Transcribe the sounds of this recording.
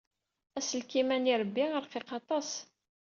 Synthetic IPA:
æsəlkimæniɾˤəbːiəɾqeqɑt̪ˤɑs

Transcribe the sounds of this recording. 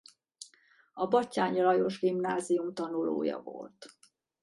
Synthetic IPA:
ɒbɒcːaːɲɒlɒjo̞ʒɡimnaːzijumt̪ɒnulo̰ːjɒ̰vo̰lt̪

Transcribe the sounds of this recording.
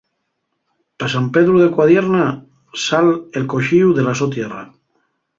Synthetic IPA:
pesampeðɾuðekwaðjeɾna | salelkoʃiwðelasot̪jera̰

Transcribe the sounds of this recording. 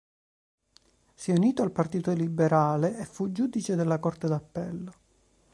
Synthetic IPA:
sjɛuniːt̪oalpart̪iːt̪olibeɾaːleefud͡ʒuːd̪it͡ʃed̪elːakort̪ed̪apːɛlːo

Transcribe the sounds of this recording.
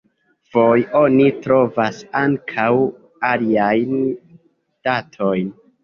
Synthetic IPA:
v̥o̞jo̞nitɾo̞vasaŋkʰaw | aliajn | d̥atʰo̞jn

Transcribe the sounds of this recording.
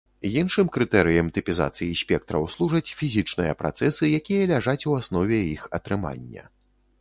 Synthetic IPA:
jinʂɨmkɾɨt̪ɛɾɨjɐmt̪ɨpʲiza̰t̪sɨjisʲpʲɛk̚t̪ɾɐ̰wslˠuʐɐt͡sʲfʲizʲit͡ʂnɨjɐ̰pɾa̰t̪sɛsɨjakʲijɐlʲaʐat͡sʲuasn̪ɔvʲɛixɐ̰t̪ɾɨma̰nʲːɐ̰

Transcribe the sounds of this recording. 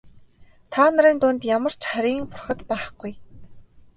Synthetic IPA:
t̪ʰaːnə̆ɾiːnt̪ʊnt̪jamə̆r̥t͡ɕχæɾʲiːŋpʊrχə̆t̪pæːχɡuj

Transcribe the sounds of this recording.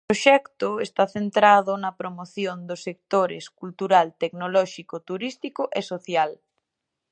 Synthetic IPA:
pɾoʃɛkt̪ʊest̪aθent̪ɾaðʊnɐpɾomoθjond̪osek̚t̪oɾɪ̰skult̪uɾalt̪eknolɔʃikot̪uɾist̪ikʊʔesoθjal

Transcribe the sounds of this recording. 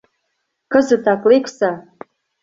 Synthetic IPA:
kə̆zə̆t̪ɑkleksɑ

